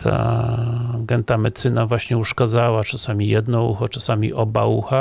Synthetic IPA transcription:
t̪ʰa̰ | ɡɛnt̪amɛt̪t̪sɘnavwaɕɲɛuʂkad̪zawat͡ʂasamʲijɛd̪nɔṵxɔt͡ʂasamʲḭʔɔbauxa

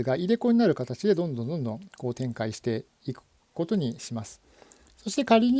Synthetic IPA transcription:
ɨɡaʔiɾe̞ko̞ɲinaɾɯ̟kat̪at͡ɕid̪e̞d̪õ̞nd̪õnd̪õ̞nd̪õ̞ŋko̞ːt̪ẽ̞ŋkaiɕi̥t̪e̞ | ikɯ̟̥ | ko̞t̪o̞ɲ̟iɕimasɨ̥ | so̞ɕi̥t̪e̞kaɾʲiɲ̟

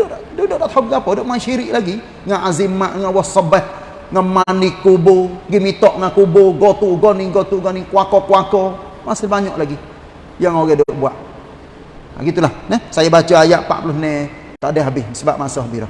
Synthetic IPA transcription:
doʔdodoʔdat̪hɔbkapɔdoʔmaʃiɾiʔlaɡi | ŋaʔazimaʔŋawɔsɔbɛh | ŋamanikːuboɡimit̪ɔʔŋakuboɡɔt̪uɡɔniɡɔt̪uɡɔnikwakɔkwakɔmasilbaɲɔ̰ʔlaɡi | jaŋɔɡɛdoʔbuaʔ | a̰ɡit̪ulahnɛsajabat͡ʃaajaʔpa̰ʔpluhnɛ | t̪aʔdɛɦabisəba̰ʔmasoɦabiɾɔ̰

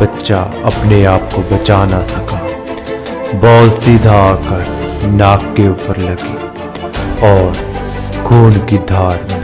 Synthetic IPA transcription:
bɐtːʃaɐ̰pneaːp̚kobɐt͡ʃaːnasɐkaː | bɔːlsiːd̪ʱaaːkəɾnaːkːeuːpəɾlɐɡiː | ɔːɾɡʰʱuːnkid̪ʱaːɾb

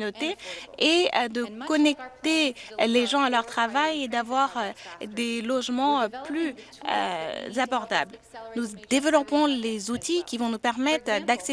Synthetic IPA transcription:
not̪eeød̪əkɔnɛk̚t̪eleʒɑ̃alœʁt̪χavajed̪avwaʁød̪elɔʒmɑ̃ply | ø̰zabɔʁt̪a̰blnud̪evəlɔpɔ̃lezut̪ikʲivɔ̃nupɛʁmɛt̪χd̪akse

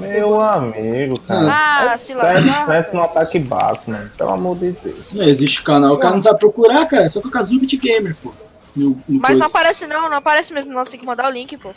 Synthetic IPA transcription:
mewamiɡʊkãsĩlãd̪sẽt̪ʊ̥snũat̪akɪba̰sʊnɛ̃pḛ̃la̰moɾd̪ed̪ḛwnɐ̃eziʃt͡ʃɪʊ̥kanawkanʊ̃zapɾokuɾakaɾɐsɔkɔkazubit͡ʃɪɡẽjmeɾpo | nʊnʊmɐznõw̃paɾɛsɪnɐ̃w̃nɐ̃w̃apaɾɛsɪmezmʊnɐ̃w̃st̪ẽkɪmɐ̃nd̪aɾʊlĩkɪpo

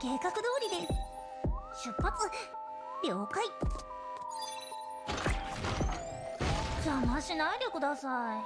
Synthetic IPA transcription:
ke̞ːkakɯ̟d̪o̞ːɾʲid̪e̞sɨ̥ | ɕɨpːat͡sɨ | ɾʲjo̞ːkai | d͡ʑaːnaɕinaiɾʲjokɯ̟d̪asai

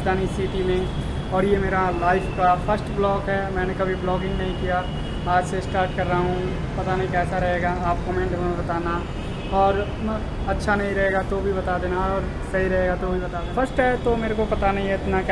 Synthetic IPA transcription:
d͡ʒd̪aːnisiːʈimẽ | ɔːɾjemeːɾalaːɪfkafɐɾsʈblɔːkɦɛmɛ̃ːnekɐbʱiblɔːɡɪ̃ŋɡnɐɦĩkija | aːd͡ʒsesʈaːɾʈkɐɾːaaɦũ | pɐt̪anɐɦĩkɛːsaɾɐɦeːɡaaːp̚kɔmẽːɳʈɦonabɐt̪aːna | ɔːɾ | ɐtːʃʰanɐɦĩɾɐɦeːɡat̪obʱibɐt̪ad̪eːnaɔːɾ | sɐɦiɾɐɦeːɡat̪obʱibɐt̪aːd̪fʰɐɾsʈɦɛt̪omeːɾekopɐt̪anɐɦĩɛɪt̪nak

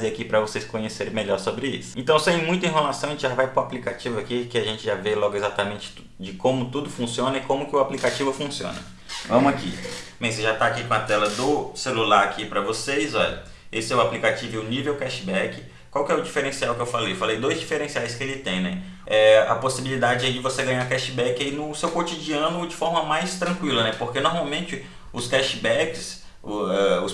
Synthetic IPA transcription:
eakipɾɐvosejskõɲeseɾ̃meʎɔɾsobɾɪisʊ̥ẽnt̪ɐ̃w̃sẽj̃mũj̃t̪ʊẽɦelasɐ̃w̃ʒẽt͡ʃɪʒavajpɾʊaplikat͡ʃivʊakikɪaʒẽt͡ʃɪʒavelɔɡʊezat̪amẽnt͡ʃɪ̥ | d͡ʒɪkõmʊt̪ud̪ʊfũsiõnɐɪkõmʊkɪʊaplikat͡ʃivʊfũsiõ̰nɐ̰ | vɐ̃mʊakḭmẽseʒat̪aːkikõɐt̪ɛlɐd̪ʊselulaɾakipɾɐvosejzɔʎɐ̰ | esɪɛwaplikat͡ʃivʊɛʊnivewkɛʃibɛkɪ | kwawkɪɛʊd͡ʒifeɾẽsiawkɪewfalejfalejd̪ojzd͡ʒifeɾẽsiajskɪelɪt̪ẽj̃nɛ | ɛɐ̰posibilid̪ad͡ʒɪd͡ʒɛid͡ʒɪvoseɡɐ̃ɲaɾkɛʃɪbɛkɪainʊsewkot͡ʃid͡ʒiɐ̃nʊd͡ʒɪfɔɾmɐmajst̪ɾɐ̃kwilɐnɛpoɾkenoɾmawmẽnt͡ʃɪ | ʊskɛʃbɛkɪs | ʊɛʊs

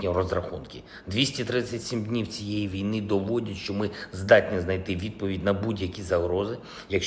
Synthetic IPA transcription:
nʲirɔzɾɐxunkɪ | d̪ʋʲisʲtʲit̪ɾɪsʲɐtʲsʲimdʲnʲiwt͡sʲijejiʋʲijnɪd̪ɔʋɔdʲɐtʲʃt͡ʃɔmɪzd̪ɑtʲnʲiznɐjt̪ɪʋʲid̪̚pɔʋʲidʲnɐbudʲjɐkʲizɐɦɾɔzɪ | jɐkʃ

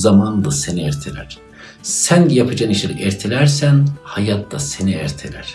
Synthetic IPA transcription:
zamand̪aseniɛɾt̪ʰelʲæɾ̥ | sænjapʰɯd͡ʒaniʃelʲˠikɛɾt̪ʰelʲæɾsænhajat̪ʰd̪ase̞niæɾt̪ʰḛlʲæɾ̥

